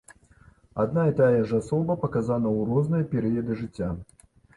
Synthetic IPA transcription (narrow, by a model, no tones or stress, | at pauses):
ad̪naɛt̪ajɐʐasɔbɐpɐkazanɐuɾɔznɨjɐpʲɛɾɨjɐd̪ɨʐɨt͡sʲːa